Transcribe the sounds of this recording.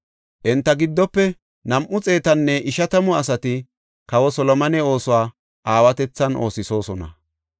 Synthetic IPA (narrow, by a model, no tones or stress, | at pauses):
ʔɛnt̪ːɐɡɪd̪ːɔpːɛ | nɐmʔʊt͡sʼe̞ːt̪ɐnːɛʔɪʃɐt̪ɐmʊɐs̬ɐt̪ɪ | kɐwɔsɔlɔmɐnɛo̞ːsʊwaː | ʔaːwɐt̪ɛt͡sːɐnʔo̞̰ːsɪso̞ːsɔnɐ̰